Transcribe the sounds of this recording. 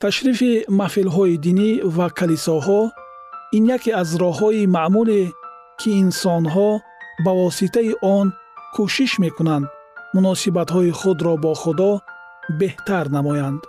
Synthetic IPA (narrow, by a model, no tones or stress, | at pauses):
t̪ʰaʃɾifimafilɦɔid̪inivakʰalisɔɦɔ | injakʰeazɾɔɦɔimaʔmule | kʰiːnsɔnɦɔ | bavɔsit̪ʰaiʔɔn | kʰuʃiʃme̞kunand̪munɔsibat̪hɔiχud̪ɾɔbɔχud̪ɔ | be̞ht̪aɾnamɔjand̪